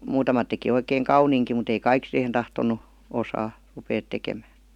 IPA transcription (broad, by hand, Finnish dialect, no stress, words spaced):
muːtɑmɑt teki oikeːŋ kɑuniːŋki mut ei kɑik sihen tɑhtonˑu osɑː rupeːt tekemæː